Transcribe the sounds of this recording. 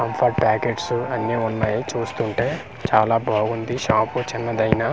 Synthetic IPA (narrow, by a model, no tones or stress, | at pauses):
kɐmpʰɐɾʈ̚paːkeːʈsuɐnːiːunːaːjit͡ʃuːst̪uɳʈe̞ː | t͡ʃaːlaːbʱaːɡund̪iʃaːput͡ʃinːɐd̪ɐjnaː